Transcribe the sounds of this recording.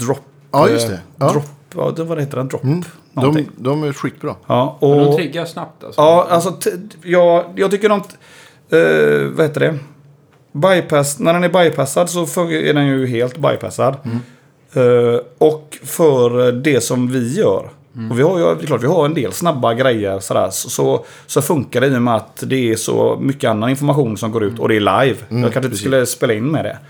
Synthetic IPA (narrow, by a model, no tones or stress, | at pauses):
d̪ɾɔpː | st̪ɛd̪ɾɔpːɑ̰vad̪ɛheːt̪əɾɛnd̪ɾɔ̰pː | nɔnɔɪŋːd̪ɔmæɧyːt̪̚bɾɑ̰ːɑːɔɪɡːəjasnap̚t̪a̰sɑːals̬ɔt̪ʰjɑːɡjɑɡt̪ʰʏkːəɾɔmt̪ | vaheːt̪əɖɛ | bajpʰæsnæɖɛnæɾbajpʰæsːad̪sɔfɵjəæ̰ɖɛnjɵɦeːlt̪ba̰jpʰæ̰sad̪ | ɔkfœɾdɛsɔmvɪjœ̰ːɾ | ɔvɪhaɾjd̪ɛkʰlɑːʈ̪vɪhaɾɛnd̪ḛːlsnabːaɡɾɛjːəɾsɔd̪æ̰ːɾssɔ | sɔfɵŋkaɾɛiːjɔmɛat̪d̪ɛːʂɔ̰mʏkːəanːanɪnfɔɾmaɧuːnsɔmɡoːɾʉ̟ːt̪ɔ̰d̪ɛːɭa̰jvjɑ̰ːkʰanʂ̬ɪnsɵlːəspeːlaɪnːmɛd̪ɛ̰